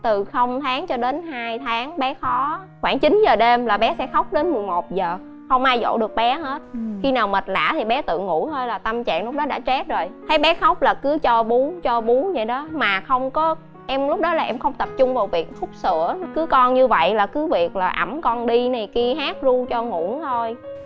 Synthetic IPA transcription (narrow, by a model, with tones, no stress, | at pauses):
t̪ɨ˨˩xə˧wŋ͡mt̪ʰaː˨˦ŋt͡ɕɔ˧ɗe˨˦nɦaː˧jt̪ʰaː˨˦ŋɓɛ˨˦xɔ˨˦ | xwaː˧˩ŋt͡ɕi˨˦nzəː˨˩ɗe˧mlaː˨˩ɓɛ˨˦sɛ̰˧˥xə˦˥wk͡p̚ɗe˨˦nmɨ˨˩əjmo˨˩t̚zəː˨˩ | xə˧wŋ͡mʔaː˧jzo̰˧˨ɗɨ˨˩ək̚ɓɛ˨˦ɦe˦˥t̚xi˧naː˨˩wmə˨˩t̚la̰ː˧˥t̪ʰi˨˩ɓɛ˨˦t̪ɨ̰˧˨ŋṵ˧˥t̪ʰo˧jlaː˨˩t̪ə˧mt͡ɕa̰ː˧˨ŋlʊ˦˥k͡p̚ɗɔ˨˦ɗa̰ː˧˥t͡ɕɛ˦˥t̚zo˨˩jt̪ʰə˨˦jɓɛ˨˦xə˦˥wk͡p̚laː˨˩kɨ˨˦t͡ɕɔ˧ɓu˨˦t͡ɕɔ˧ɓu˨˦zə̰˧˨jɗɔ˨˦maː˨˩xə˧wŋ͡mkɔ˨˦ | ʔɛ˧mlʊ˦˥k͡p̚ɗɔ˨˦laː˨˩ʔɛ˧mxə˧wŋ͡mt̪ə˨˩p̚t͡ɕʊ˧ŋ͡mvaː˨˩wvi˨˩ək̚fʊ˦˥k͡p̚sɨ̰˧˥˨əkɨ˨˦kɔ˧nɲɨ˧və̰˧˨jlaː˨˩kɨ˨˦vi˨˩ək̚laː˨˩ʔa˧˩mkɔ˧nɗi˧na˨˩jki˧əɦaː˦˥k̚zu˧t͡ɕɔ˧ŋṵ˧˩˥nt̪ʰo˧j